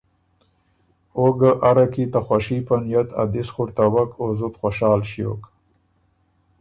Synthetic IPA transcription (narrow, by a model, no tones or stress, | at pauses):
oɡaʔaɾakit̪axwaʃipanjat̪a̰d̪ɪsχʊɾt̪awakozʊt̪xʷoʃɑːlʃijo̰k